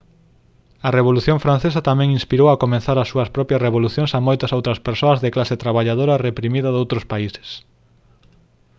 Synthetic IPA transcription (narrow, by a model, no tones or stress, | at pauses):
ɐreβoluθjoŋfɾan̟θesɐt̪amɛ̃ŋinspiɾowɐkomẽnθaɾɐsːuɐspɾɔpjɐsreβ̞oluθjõŋsɐmojt̪ɐsowt̪ɾɐspeɾsoɐzðeklaset̪ɾaβaʎaðoɾɐrepɾimiðɐðowt̪ɾʊspaisɪ̥s